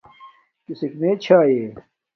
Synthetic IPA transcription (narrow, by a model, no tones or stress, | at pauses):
kisikmẽt͡ɕʰaːjeː